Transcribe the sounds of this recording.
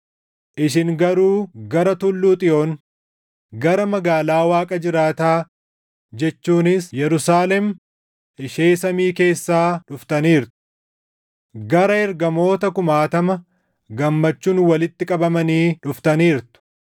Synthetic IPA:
ʔʔɪʃ̬ɪŋɡɐɾuːɡɐɾɐt̪ʊlːuːt̪ʼɪo̞ːn | ɡɐɾɐmɐɡaːlaːwaːkʼɐd͡ʒɪɾaːt̪aː | d͡ʒɛt͡ʃːuːnɪsjɛɾʊsaːlɛm | ɪʃe̞ːsɐmiːke̞ːsːaːᶑʊft̪ɐniːɾt̪ʊ̥ | ɡɐɾɐɛɾɡɐmo̞ːt̪ɐkʊmaːt̪ɐmɐ | ɡɐmːɐt͡ʃːuːnwɐlɪt̪ːɪkʼɐbɐmɐniːᶑʊft̪ɐniːɾt̪ʊ̥

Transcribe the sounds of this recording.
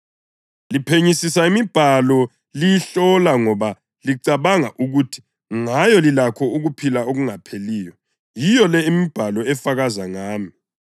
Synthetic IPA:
lipʰeɲisisaimib̥ʱalɔ | lijiɬɔlaŋɔβa | liǀaβaŋaʔuɣutʰi̥ | ŋajɔlilakʰɔuɣupʰilaoɣuŋapʰeliːjɔ | jijɔlɛimib̥ʱalɔɛfaɣazaŋaːmi

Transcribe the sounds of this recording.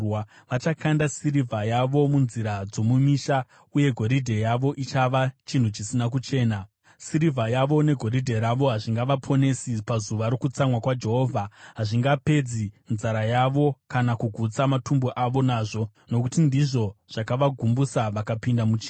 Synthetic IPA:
a | ʋat͡ʃakandasiɾivʱajaʋo̞munziɾad͡zo̞mumiʃa | uje̞ɡʱo̞ɾidʱe̞jaʋo̞ʔit͡ʃaʋat͡ʃin̤ut͡ʃisinak̬ut͡ʃe̞ːna | siɾivʱajaʋo̞ne̞ɡʱo̞ɾidʱe̞ɾaʋo̞ɦaʐiŋɡaʋapʰo̞ne̞sipazuʋaɾokut͡samwakwad͡ʒe̞ɦo̞ːvʱaɦaʐiŋɡape̞d͡zinzaɾajaʋo̞kanakuɡʱut͡samatʰumbuʔaʋo̞naːʐo̞ | no̞kutindiʐo̞ʐ̥akaʋaɡʱumbusaʋakapindamut͡ʃiːn

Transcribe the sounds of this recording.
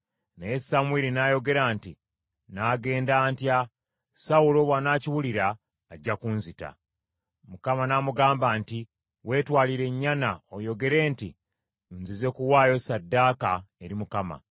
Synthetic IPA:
nejesamweɾinaːjo̞ɡe̞ɾaːnti | naːɡe̞ːndaːntja | sawulo̞βwanaːciwuliɾaː | ɟːakuːnzita̰ | mukamanamuɡaːmbaːnti | we̞ːtwaːliɾe̞ɲːanaojo̞ɡe̞ɾe̞ːnti | nzize̞kuwaːjo̞sadːaːkae̞ɾimukama̰

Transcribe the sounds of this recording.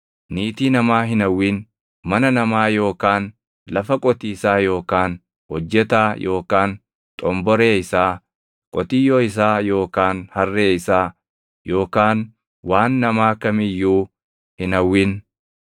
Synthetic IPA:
niːt̪iːnɐmaːɦɪnɐwːɪn | mɐnɐnɐmaːjo̞ːkaːn | lɐfɐkʼɔt̪iːsaːjo̞ːkaːn | hɔd͡ʒːɛt̪aːjʔo̞ːkaːn | t̪ʼɔmbɔɾe̞ːɪsaː | kʼɔt̪ijoːɪs̬aːjo̞ːkaːnhɐrːeːɪsaː | jo̞ːkaːn | waːnːɐmaːkɐmɪjːuː | hɪnɐwːɪn

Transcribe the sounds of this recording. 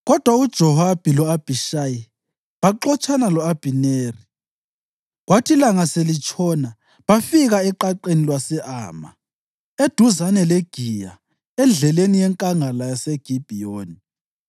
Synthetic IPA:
ɣɔd̥ʱwaud̥ʒ̥ʱɔhab̥ʱilɔab̥ʱiʃaːji | βaǃɔt͡ʃʰʼanalɔab̥ʱineːri | ɣwatʰilaŋaselit͡ʃʰʼɔna | βafiɣaɛǃaǃenilwasɛʔa̰ːma̰ | ed̥ʱuzanɛleɡ̥ʱija̰ | ɛnd͡ɮʱɛlenijɛŋkʼaŋalajaseɡ̥ʱib̥ʱioːni

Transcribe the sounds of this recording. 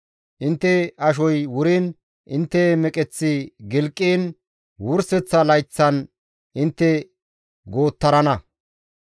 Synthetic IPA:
ʔɪnt̪ːɛɐʃ̬ɔjwʊɾiːn | ʔɪnt̪ːɛmɛkʼɛt͡sːɪɡɪlkʼːiːn | wʊɾsɛt͡sːɐlɐjt͡sːɐn | ʔɪnt̪ːɛ | ɡoːt̪ːɐɾɐnɐ

